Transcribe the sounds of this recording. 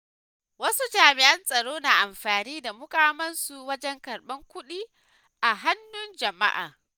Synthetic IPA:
wɐ˦su˦d͡ʒaː˨mɪ˨ʔɐ˦nsʼɐ˨ɽoː˦naː˨ʔa˨mɸaː˨niː˦da˨mʊ˦kaː˦mɐ˦nsu˨wɐ˦d͡ʒɛ˦ŋkɐ˨rɓɐ˦ŋkʷʊ˦ɗiː˦ | ʔa˨ɦa˦nːʊ˦nd͡ʒɐ˨ma̰˦ʔa̰ː˨

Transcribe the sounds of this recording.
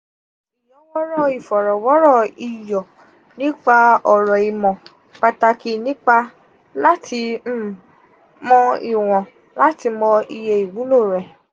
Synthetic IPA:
i˨jɔ̃˨˦wɔ˦ɾɔ˦˨i˨fɔ˨ɾɔ˨wɔ˨˦ɾɔ˦˨i˨jɔ˨ | nĩ˦k͡pa˧ɔ˨ɾɔ˨i˨mɔ̃˨ | k͡pa˧ta˧ki˦nĩ˦k͡pa˧ | la˦tʰi˧˦ | mɔ̃˧i˨w̃ɔ̃˨ | la˦ti˧mɔ̃˧i˧je˧i˨wu˨˦lo˦˨ɾɛ˨

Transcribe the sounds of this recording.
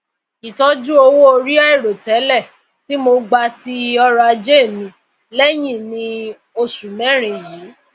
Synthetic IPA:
i˨tɔ˨˦d͡ʒu˦o˧wo˦o˧ɾi˦a˦i˦˨ɾo˨tɛ˨˦lɛ˦˨ | ti˨˦mo˧ɡ͡ba˧ti˧ɔ˧ɾa˧d͡ʒe˦˨mĩ˧ | lɛ˦j̃ĩ˦˨nĩ˧ | o˧su˨mɛ̃˦˨ɾ̃ĩ˨ji˨˦

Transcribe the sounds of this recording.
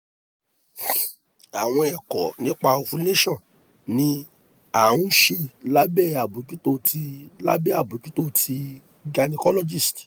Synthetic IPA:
a˨w̃ɔ̃˧ɛ˨kɔ˨nĩ˦k͡pa˧o˧fũ˧˦ne˦ʃɔ̃˦˨ | nĩ˧˦ | a˦˨ũ˦ʃe˧la˦bɛ˦˨a˨bu˨˦ki˦to˦ti˧la̰˦bɛ˦a˦˨bu˨˦ki˦to˦tʰi˧ | ɡa˧nĩ˧kɔ˦lɔ˦d͡ʒi˦˨st

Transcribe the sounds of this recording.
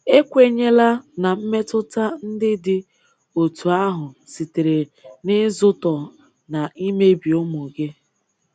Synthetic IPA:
e˦kʷe˦ɲe˦la˦na˨m̩˦me˦tʊ˦ta˦n̩˦dɪ˦dɪ˦ | o˨tʰu˨a˦ɦʊ˨si˨te˨ɾe˨nɪ˦zʊ˦tɔ˨ | na˨i˦me˦bi˨ʊ˦mo˨ɡe˦

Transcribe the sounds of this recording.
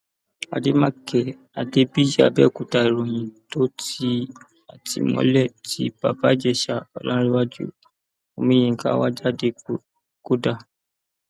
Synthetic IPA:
a̰˨de˦mã˦kʰɛ˨ | a˨de˦bi˦d͡ʒa̰˦˨bɛ̰˦˨ku˨ta˧˨i˨ɾõ˨j̃ĩ˨to˦ti˦ | a˨tḭ˨mɔ̰̃˨˦lɛ˦˨ti˦b̥a˨ba˨˦d͡ʒɛ˦˨ʃa˧ɔ̰˨lã˦ɾi˦wa˦d͡ʒṵ˦ | o˧mĩ˦j̃ĩ˧˨ka̰˦wa˦d͡ʒa˦de˧ | ko˦da˦˨

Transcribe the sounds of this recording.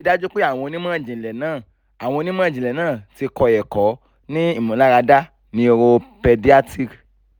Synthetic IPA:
da˦d͡ʒu˦k͡pe˦a˦˨w̃ɔ̃˧nĩ˦m˦ã˦˨d͡ʒĩ˨lɛ˨nãː˦˨ | a˨w̃ɔ̃˧nĩ˦m˦ã˦˨d͡ʒĩ˨lɛ˨nãː˦˨ti˧kɔ˧jɛ˨kɔ˨˦ | nĩ˦i˦˨mũ˨la˦ɾa˧da˦ | nĩ˧˦o˧ɾo˧pɛ˧di˦a˦ti˦˨

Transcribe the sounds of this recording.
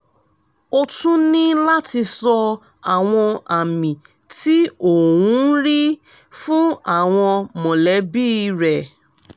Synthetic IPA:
o˧tũ˦nĩ˦la˦ti˧sɔ˧ | a˨w̃ɔ̃˧a˨mĩ˨ | ti˦o˦˨wũ˨˦ɾi˦ | fũ˦a˦˨w̃ɔ̃˧mɔ̃˨lɛ˨˦bi˦˨˧ɾɛ˨

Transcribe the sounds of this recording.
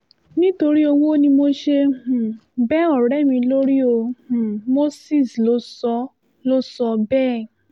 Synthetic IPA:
nĩ˦to˧ɾi˦o˧wo˦nĩ˧mo˧ʃe˧h̩˨bɛ˦ɔ˦˨ɾɛ˨˦˨mĩ˧lo˦ɾi˦o˧h̩˨mo˦si˦˨slo˨˦sɔ˧˦ | lo˦sɔ˧bɛː˦˨

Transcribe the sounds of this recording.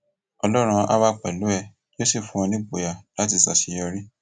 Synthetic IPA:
ɔ˧lɔ˦ɾ̃ũ˧˦a̰˦wa˦k͡pɛ̰˨lu˨˦ɛ˦˨ | i˦o˦si˦˨fũ˨˧ɔ̃˧nĩ˦bo˨ja˨la˨˦ti˦˧˨sa̰˨si˧jɔ˧ɾi˦

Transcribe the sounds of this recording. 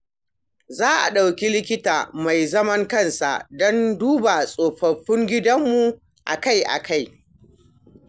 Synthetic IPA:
zaː˦ʔa̰˨ɗa˨wkʲi˦lɪ˦kʲɪ˦taː˨ma˨jzɐ˦mɐ˦ŋkɐ˦nsa̰˨ʔdɔ˦nduː˦ba˨sʼoː˨ɸɐ˨ɸːʊ˦ŋɡʲɪ˦dɐ˦mːu˨ | ʔa˨ka˦jʔa̰˨kʰa˦˨j

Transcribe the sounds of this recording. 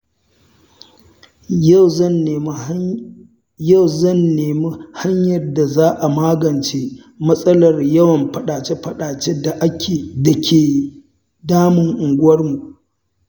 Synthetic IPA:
ɐ˦n˨˦ | ja˦˨wzɐ˦˨nːeː˨mi˦ha˦ɲjɐ˨rda˨zaː˦ʔa˨maː˦ɡɐ˨nt͡ʃe˦ | mɐ˦sʼɐ˦lɐ˨rjɐ˦wɐ˨mɸɐ˦ɗaː˨t͡ʃe˦ɸɐ˦ɗaː˨t͡ʃe˦da˨ʔa˦kʲʰeː˨da˨kʲʰeː˨ | daː˦mɪ˨ŋʔʊ˨ŋɡʷʊ˦wɐ˦rmu˨ʔ

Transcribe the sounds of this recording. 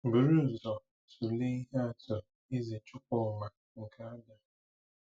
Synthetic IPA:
bu˨ɾu˦˨zɔ˨ | su˨le˦i˦ɦe˦a˦tʊ˨ | i˦zi˨t͡ʃʊ˦k̚ʷʊ˦˨ma˨ | ŋ̩˨kʰa˦a˦da˦

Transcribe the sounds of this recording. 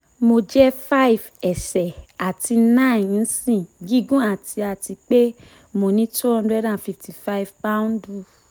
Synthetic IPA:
mo˧d͡ʒɛ˦fa˦i˦˨vɛ˨sɛ˨a˨ti˧nã˦˨n̩˦sĩ˦˨ɡi˦ɡũ˦a˦˨ti˧a˨ti˧k͡pe˦ | mo˧nĩ˦tu˦ɔ̃˧ndɾɛ˦dã˧˨fi˧˨fti˨fa˦i˨vpa˦ũ˦n˦du˧

